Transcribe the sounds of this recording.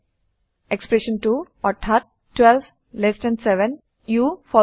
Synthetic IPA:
ekspɾeʃə̃nʈuː | ɔʈʰat̪̚ | ʈʋɛlʋ | lesʈɛ̃ɳɖseʋə̃n | juːfɔ

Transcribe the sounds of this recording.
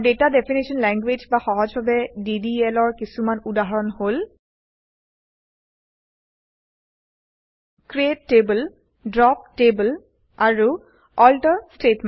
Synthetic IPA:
ɖetadefʰinisɔnlɛŋɡwed͡ʒbaxɔɦɔd͡ʒbabɛdidiɛlɔɹkisumanudaɦaɹɔnhol | kɹietːebəl | dɹɔp̚tebəl | aɹu | ɔltɔstetm

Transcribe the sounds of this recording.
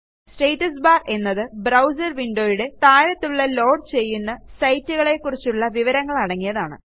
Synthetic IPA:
sʈejtːɐsbaːre̞nːɐðɨbrɐwsɐrʋiɳɖo̞ːjiɽe̞t̪aːɾɐt̪ːuɭːɐlo̞ːɖ̚t͡ɕe̞jːunːɐsɐjtːuɣɐɭe̞kːurit͡ɕːuɭːɐʋiʋɐɾɐŋːɐɭɐɽɐŋːijɐðaːɳɨ̰

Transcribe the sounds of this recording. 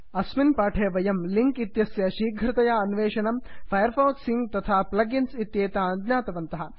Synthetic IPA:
ɐsminpaːʈʰeːʋɐjɐmliŋkit̪jɐsjɐʃiːɡʱɾɪt̪ɐjɐːnʋeːʂɐnɐmfʰɐjɐɾfɐwt̪siŋɡt̪ɐt̪ʰaːplɐɡinsit̪jeːt̪aɐd̪naːt̪ɐʋɐnt̪ɐɦɐ

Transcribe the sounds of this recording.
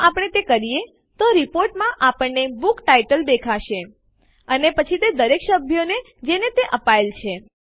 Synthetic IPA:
apəɽ̃et̪ekəɾije | t̪oɾipoɾʈmãʔapəɳːebukʈaiʈəld̪ekʰaʃe | ənepət͡ʃʰit̪ed̪əɾekʃəbʱjone | d͡ʒenet̪eʔəpaelt͡ʃʰe

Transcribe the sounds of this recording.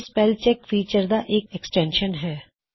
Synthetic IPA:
spɛːlt͡ʃɛkfiːt͡ʃəɾd̪aʔeːkɛksʈɛ̃ːnʃənɦɛː

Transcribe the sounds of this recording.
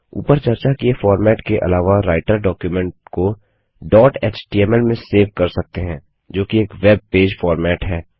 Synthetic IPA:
ṵːpəɾt͡ʃɐɾt͡ʃakiefɔːɾmɛːʈkeʔɐ̰laːʋaɾaːɪʈəɾɖɔːkjumɛ̃ɳʈ̚ko | ɖɔːʈɛːt͡ʃʈiːɛmɛlmẽseːʋkɐɾsɐk̚t̪eɦɛ̃ː | d͡ʒoːkieːkʋɛb̚peːd͡ʒfɔːɾmɛːʈɦɛː

